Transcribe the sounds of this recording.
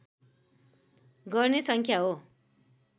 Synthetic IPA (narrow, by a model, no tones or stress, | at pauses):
ɡʌrnesʌŋkʰjaɦo